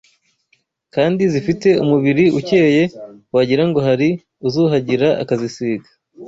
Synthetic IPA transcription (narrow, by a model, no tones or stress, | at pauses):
kaːndizifite̞umuβiɾiuceːje̞waɟiɾaŋɡo̞ɦaɾi | uzuːɦaɟiɾaa̰kazisiːɡḁ